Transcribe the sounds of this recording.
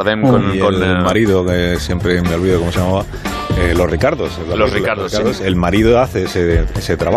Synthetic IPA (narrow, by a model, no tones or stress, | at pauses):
ðemkoielmaɾiðokesje̞mpɾeme̞o̞lβiðoko̞mosejamaβa | elo̞srikaɾðosloriaɾikaɾɾðose̞lmaɾiðoaθeeseese̞t̪ɾaβa